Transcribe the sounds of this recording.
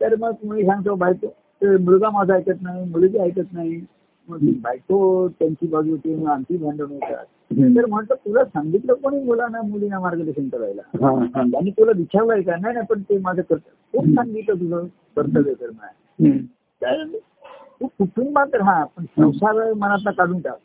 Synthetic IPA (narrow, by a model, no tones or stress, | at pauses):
t̪əɾməɡməiːsãŋɡt̪obajko | t̪emuɭɡamad͡zʱaajt̪ət̪naɦimuɭɡiajt̪ət̪naɦi | məɡt̪ibʱajkot̪jaɲt͡ɕiːbaɡit̪eməɡãnt̪iːbʱaɳɖonet̪a̰t̪ | t̪əɾm̤əɳt̪ət̪ulasãŋɡit̪ləkoɽ̃iːbʱolanamulinamaɾɡəlesəŋt̪əɾa̰jla̰ɦãañit̪ulad̪it͡ɕʰalajkanajnajpəɳt̪emad͡zʱakəɾt̪əkʰuːpsãŋɡit̪lət̪̬ud͡zʱə | kəɾt̪əd̪et̪əɾm̤əa̰ | k̪ajə | t̪ukʰuʈʰuːŋbãnt̪əɾɦãpəɳsə̃wsaɾmənat̪̬nakaɽuːnʈa̰k